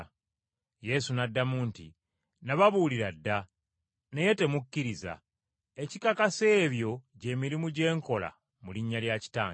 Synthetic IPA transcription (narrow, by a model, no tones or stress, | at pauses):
je̞sunadːamuːntḭ | naβaβuːliɾadːa | ne̞je̞te̞mucːiɾiza̰ | e̞cikakase̞ːβjo̞ɟe̞ːmiɾimuɟe̞ːŋko̞la̰ | muliɲːaljaci̥taː